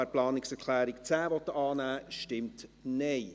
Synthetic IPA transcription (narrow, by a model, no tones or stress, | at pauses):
ɛɾplɑːnɪksɛɾkʰlæːɾɪkt͡sæːvɔt̪ːəʔɑːnæːʃtɪmtnɛj